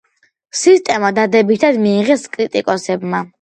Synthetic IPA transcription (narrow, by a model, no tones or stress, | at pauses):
sist̪ʼɛmad̪ad̪ɛbit̪ʰad̪miːʁɛskʼɾit̪ʼikʼɔsɛbma